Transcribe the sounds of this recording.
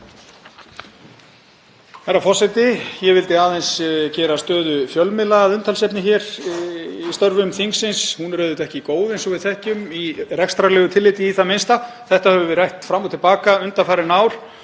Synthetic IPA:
aɾafɔr̥sɛjt̪ɪjɛvɪlt̪ɪaðɛjnscɛːɾast̪œːðʏfjœlmɪlaaðʏnt̪ʰalsɛpnɪçɛɾ̥ | ist̪œɾvʏmθiŋksɪnshunɾœːðɪt̪ɛhcɪkoːwðensɔvɪðθɛhcʏmirɛkst̪ɾalɛːɣʏt̪ʰɪlːɪːt̪ɪiθamɪnst̪a | θɛht̪ahɛvʏvɪɾajht̪fɾamːut̪ʰːɪlpaːkaʏnt̪afaːɾɪnaːwɾ̥

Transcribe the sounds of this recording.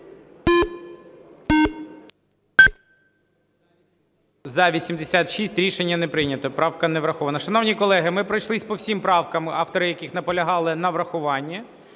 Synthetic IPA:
zɐʋʲisʲimd̪esʲat̪ʃisʲtʲɾʲiʃenʲːɐnɛpɾɪnʲɐt̪ɔpɾɑwkɐnɛʋɾɐxɔʋɐnɐʃɐnɔwnʲikɔlˠɛɦɪmɪpɾɔjʃlˠɪsʲpɔwsʲimpɾɑwkɐmɑft̪ɔɾɪjɐkɪxnɐpɔlʲɐɦɑlˠɪnɐʋɾɐxʊʋɑnʲːɐ

